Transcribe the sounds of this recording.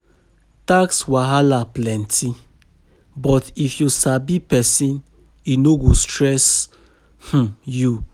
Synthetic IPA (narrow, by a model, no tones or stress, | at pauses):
takswaɦalaplɛ̃ntʰi | bɔtifjusabipɛsĩn | inoɡostɹɛs | h̩ju